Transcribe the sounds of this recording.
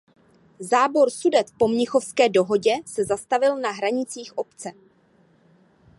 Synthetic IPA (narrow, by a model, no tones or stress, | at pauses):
zaːbo̞ɾsudɛt̪po̞mɲɪxo̞fskɛːdo̞ɦo̞ɟɛsɛzast̪avɪlnaɦɾaɲɪt͡siːxʔo̞pt͡sɛ